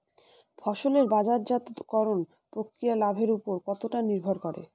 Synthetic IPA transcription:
fʰɔʃoleɾbad͡ʑaɾd͡ʑat̪kɔɾon | pɾokɾijalabʱeɾupoɾkɔt̪oʈaniɾbʱoɾkɔɾḛ

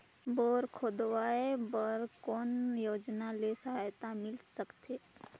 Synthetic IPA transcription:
boːɾkʰoːd̪ʋaːebəɾkɔːnjoːd͡ʒnalesəɦajt̪amɪlsəkt̪eː

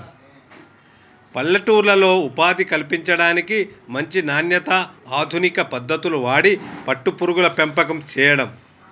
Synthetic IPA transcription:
pɐlːɐʈuːɾlɐlo̞ːupaːd̪ikɐlipiɲt͡ʃɐɽaːnikimɐɲt͡ʃinaːnjɐt̪ɐaːd̪ʱunikɐpɐd̪ːɐt̪uluʋaːɽipɐʈːupuɾuɡulɐpempɐkɐmt͡ʃɛːjɐɽɐm

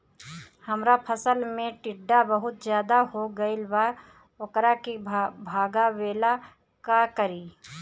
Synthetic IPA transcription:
hɐmɾapʰəsəlmẽʈɪɖːabəɦʊt̪zjaːd̪aɦoɡɐɪlbaː | okɾakibʱaːɡaweːla | kakəɾiː

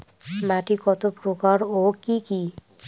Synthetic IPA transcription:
maʈikɔt̪opɾokaɾokiki

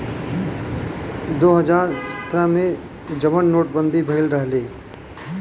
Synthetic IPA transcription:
d̪oːɦəd͡ʒaːɾsə̥t̪ɾəmẽ | d͡ʒəʋənːoːʈ̚bə̃nd̪ʱibʱəɪlɾəɦleː

